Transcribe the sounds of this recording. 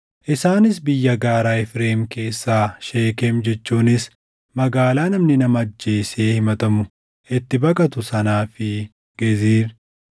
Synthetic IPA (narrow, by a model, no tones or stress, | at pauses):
ʔɪsaːnɪsbɪjːɐɡaːɾaːɪfɾeːmke̞ːsːaːʃeːkemd͡ʒɛt͡ʃːuːnɪs | mɐɡaːlaːnɐmnɪnɐmɐd͡ʒːe̞ːse̞ːhɪmɐt̪ɐmʊ | ʔɪt̪ːɪbɐkʼɐt̪ʊsɐnaːfɪ | ɡ̥ɛziːɾ